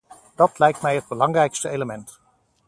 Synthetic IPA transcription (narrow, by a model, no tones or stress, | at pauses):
d̥ɑtlɛjk̚tmɛjɦəd̚bəlɑŋrɛjkstəejləmɛnt